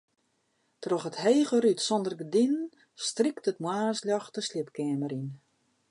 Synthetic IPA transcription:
trɔxətheːɣərytsɔndərɡədinn | striktətmwaːsljɔxtəslɪpkɛəməɾin

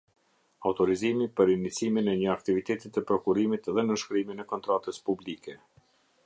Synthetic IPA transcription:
awt̪ɔɾizimipəɾinit͡siminɛɲəakt̪ivit̪ɛt̪it̪ɛpɾɔkuɾimit̪ðɛnəʃkɾiminɛkɔnt̪ɾat̪əspublikɛ

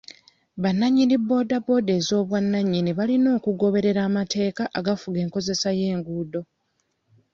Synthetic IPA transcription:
βanːaɲːinibːo̞dabo̞de̞ːzo̞ːβwanːaɲːiniβalino̞ːkuɡo̞βe̞ɾe̞ɾaːmate̞ːkaʔaɡafuɡe̞ːŋko̞ze̞saje̞ːŋɡuːdo̞

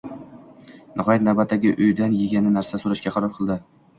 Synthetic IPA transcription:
nʔɪɦɒjat̪̚nawbat̪ʰːaɡʲɪʔʊjd̪anjeɡʲanɪnaɾsasoɾaʃkʲaqʰɑɾɒɾqʰɨlˠd̪ɪ

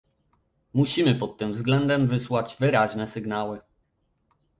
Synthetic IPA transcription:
muɕimɘpɔt̪ːɘmvzɡlɛnd̪ɛmvɘswad͡ʑvɘɾaʑnɛsɘɡnawɘ

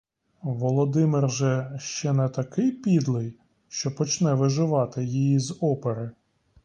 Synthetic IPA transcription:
ʋɔlˠɔd̪ɪmɪrʒɛʃt͡ʃɛnɛt̪ɐkɪjpʲid̪lˠɪj | ʃt͡ʃɔpɔt͡ʃnɛʋɪʒɪʋɑt̪ɪjijizɔpeɾɪ

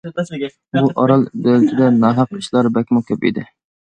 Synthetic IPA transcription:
buʔɑɾɑlˠb̪ølt͡ʃ̪ʰɪd̪ɛnɑːɦɑq̚ːi̥ʃlˠɑɾbɛkʲmʊkʲʰɛpḭd̪ɪ

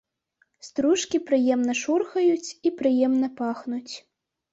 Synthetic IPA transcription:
st̪ɾuʂkʲipɾɨjɛmnɐʂurxɐjut͡sʲipɾɨjɛmnɐpaxnut͡sʲ

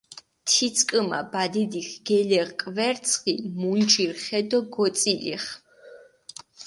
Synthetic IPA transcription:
t̪ʰit̪sʰʼkʼəma̰bad̪id̪ixɡ̥ɛlɛʁkʼvɛɾt̪sʰχimund͡ʒiɾχɛd̪ɔɡɔt̪sʼilḭχ

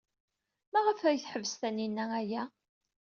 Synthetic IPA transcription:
mæʁəfæjθħəvəst̪æninːææjæ

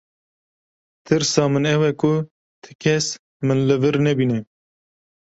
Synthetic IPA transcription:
t̪ʰɨɾsɑːmɨnɛwɛkʰʊ | t̪ʰɨ̥kʰɛs | mɨnlɨvɨɾnɛbiːnɛ

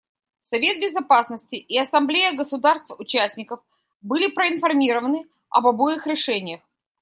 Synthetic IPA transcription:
sɐvʲe̞t̪̚bʲɪzɐpasnəsʲtʲɪʔɪɐsɐmblʲejəɡəsʊd̪arst̪vʊt͡ɕæsʲnʲɪkəf | bɨlʲɪpɾəɪnfɐrmʲiɾəvənɨ | ɐ̰bɐbojɪxɾʲɪʂɛnʲɪjəx

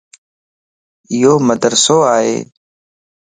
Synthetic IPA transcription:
ɪjoːməd̪əɾsoːaːɦḛː

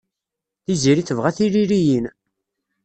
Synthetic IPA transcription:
θiziɾiθəvʁæθiɾiɾijin

